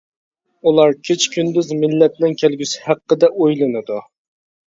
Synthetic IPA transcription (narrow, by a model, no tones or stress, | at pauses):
ulˠɑɾkʲʰet͡ʃkʲʰynd̪yzmɪlːɛt̪̚nɪŋkʲʰɛlɡʲysɪ̥hæqːəd̪ɛʔojlˠɨnɨd̪u